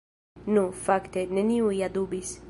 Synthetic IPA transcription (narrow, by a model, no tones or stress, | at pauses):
nufakt̪eneniuiad̪ubis